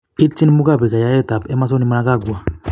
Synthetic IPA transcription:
i˦t͡ʃi˦n˦mu˦ka˦˨bi˨ka˨ja˨˦ɛ˦˨ta˨bɛ˦ma˦s̬ɔ˦ni˨ma˦a˦ka˦˨ɡwa˨

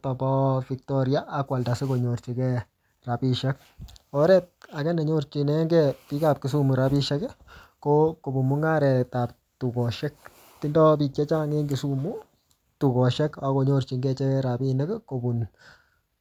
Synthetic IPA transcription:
tɔ˨bɔ˦fik̚tɔɾja˦ʔːkwa˨lta˨se˦ko˨ɲo˨ɾt͡ʃi˨kɛ | rapiʃɛ˦k̚ | ɔɾɛ˦t̚a˨kɛ˦nɛ˨ɲoɾt͡ʃinɛ˦ŋɡɛpi˦ka˦p̚ki˨s̬u˦mu˨ɾapi˦ʃɛ˦kɛkoko˨bu˨mu˦ŋa˦ɾɛ˨tap̚ | tu˨ko˨ʃɛ˦k̚ | ti˦ndɔ˦p̬i˨kɛ˦t͡ʃa˦ŋe˦ŋɡisu˦mu˦ | tu˨kɔ˨ʃɛ˦kako˨ɲo˦ɾt͡ʃi˨ŋɡɛ˦t͡ʃɛ˦ɾapi˦nɛ˦kko˨bu˨n

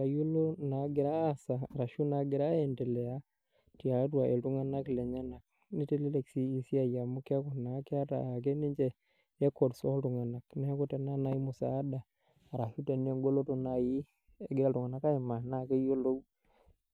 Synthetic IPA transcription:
a˨ju˦lo˦na˨ɡɪ˨ɾa˦˨saː˨ɾa˨ʃu˦na˨ɡɪ˨ɾa˦ɛ˨ntɛ˨lɛ˨a˦ | ti˨a˨˦twa˨ʔe˨tu˦ŋa˦na˦klɛ˨ɲa˦na˨k̚ | ni˦tɛ˦lɛ˦lɛ˨ksi˦i˨si˦a˨ja˨mu˦kɛ˦kɔ˨na˨˦kɛ˦a˦ta̰˨a˨k̬e˦ni˦ɲd͡ʒɛ˨ | ɛ˦kːɔ˨dsɔ˦tu˨ŋa˨na˨knɛ˦hɛ˦kɔ˦tɛ˨na˦na˨˦i˦mʊ˨sa̰˨˦daː˨ | ɾa˨ʃu˦te˨ne˦ŋɡo˦lo˦to˦na˨ji˦ | e˦ɡɪɾa˦tu˨ŋa˨na˦ka˦i˨ma˨na˦ke˦jo˦lo˦

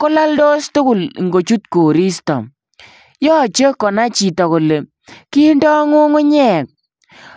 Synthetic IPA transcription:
kʊ˦la˦ldo˦stʊ˦kʊ˨lŋɡo˨t͡ʃu˦tko˨ɾi˦stɔ̰˨ | jɔ˦˨t͡ʃe˦kɔ˨na˦t͡ʃi˨tɔ˨ko˨le˨ | ki˦ndɔ˦ŋu˦ŋʊ˦ɲɛ˦˨k̚

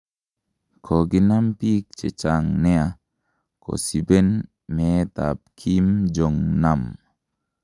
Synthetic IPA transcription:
kʰo˨ɡi˦na˦mpi˦k̚t͡ʃḛ˨t͡ʃa˨ŋnɛ˦a˨ | kʰo̰˨si˨be˦n | mɛ˨˦ta̰˨p̚kʰi˦md͡ʒo˨ŋna˦˨m

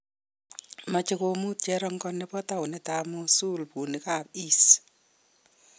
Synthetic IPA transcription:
ma˨t͡ʃɪko˧mu˦t̚t͡ʃɛɾɔ˦ŋɡɔ˦nɛ˦pɔ˦ta˦wʊ˨nɛtamusu˦lpu˨ni˨ka˦˨p̚i˦s

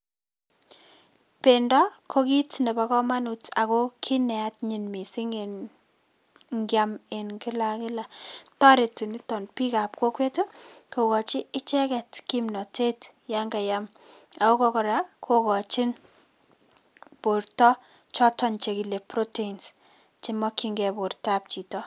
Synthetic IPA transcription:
pe˨ndɔ˦kʰo˦ki˦tne˨ba˨kɔ˦ma˦nu˨ta˨ko˦kʰi˦nɛ˨a˦tɲi˨nmi˨si˦ŋe˨n | ŋɡjame˨nkɪ˦lakɪ˦la˨tɔ˦ɾe˨tu˨ni˦tɔ˨npi˦ka˨p̚ko˦kwe˦tu˦ko˨kɔ˨t͡ʃɪ˦ɪ˦t͡ʃɛ˦kɛ˨tki˦mnɔ˨te˦t | ja˦ŋɡa˨jam | a˨ko˦kɔ˦kɔ˨ɾa˨kʰo˦kɔ˨t͡ʃɪ˦n | po˨rtɔ˦ | t͡ʃɔ˦tɔ˨nt͡ʃe˨ki˨le˨pro˦te˦ins | t͡ʃi˦mɔ˦kiŋɡɛ˨po˨rta˦p̚t͡ʃi˨tɔ˦

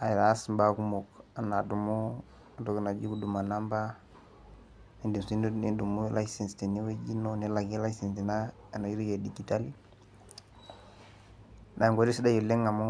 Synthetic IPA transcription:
a˨jɾasmba˦ku˦mo˨ka˨na˨du˨mo˦ | a˨do˦kna˨d͡ʒi˦ku˦du˨ma˨na˦mba˦ | e˨ndi˨msi˦ndu˦ni˦du˨mu˦la˦jse˨nste˨ni˦we˦d͡ʒi˦none˦la˨ɡi˦la˦ise˨nsi˨na˦ | a˨na˨ji˦ɾi˦jo˨di˨ɡi˨ta˦li˦ | na˨ŋɡo˨ɾi˦si˦da˦jo˨le˦ŋa˨mo˦

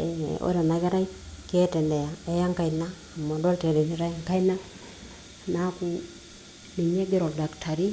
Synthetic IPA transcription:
o̰˦ɾa˨na˨ke˦ɾa˦ike˦tɛ˨ndɛ˨ja˨e˦ja˦ŋka˦˨inaː˦˨mo˨dɔ˦lte˨dɛ˨ni˨ɾa˦˨ŋka˦i˦na˦ | na˦ku˨ | ni˨ɲe˦ɡe˦ɾɔ˨lda˨ktʰa˨ɾi˦

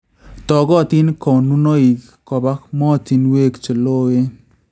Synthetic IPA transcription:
tɔ˨ɡɔ˦˨ti˦n˦kɔ˨nu˦no˦i˨ | kɔ˨ba˦k̚mɔ˦ti˨nwe˦kt͡ʃo˨lo˦e˦

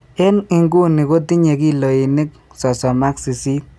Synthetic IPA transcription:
ɪ˦nɪ˦ŋɡu˦nːɪ˨ko˦ti˦ɲe˨ki˦lo˨i˨nɪ˦k̚ | sɔ˨sɔ˨ma˦ksi˨si˦t̚

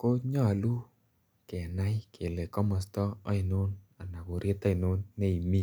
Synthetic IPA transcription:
ko˦ɲɔ˦a˨lu˦ | kɛ˨na˦i˦kʰe˨le˨kɔ˦mɔ˨stɔ˦ɔ˦i˨no˦na˨na˨ko˨ɾe˦tɔ˦i˨no˦nːe˦i˨mi˦

